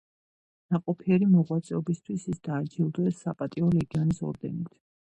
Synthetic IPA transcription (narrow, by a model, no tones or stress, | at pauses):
naqʼɔpʰiɛɾimɔʁwat̪sʼɛɔbist̪ʰwisisd̪aːd͡ʒilˠd̪ɛsapʼat̪ʼiɔlɛɡanisɔ̰ɾd̪ɛ̰nit̪ʰ